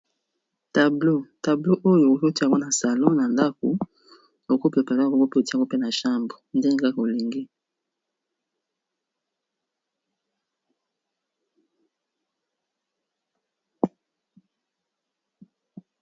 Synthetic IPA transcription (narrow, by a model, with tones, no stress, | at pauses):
ta˨blo˦ta˨blo˦ʔo˦jo˨o˨ko˦ti˦a˨ŋɡo˦na˨sa˨lɔ̃˦na˨nda˦ko˨ | o˨ko˦pe˨pa˨˦˨o˦ŋɡo˦pe˦˨o˨ti˦a˨ŋɡo˦pe˦na˨ʃa˦mbo˨nde˦ne˦ka˦ko˨li˨ŋɡi˦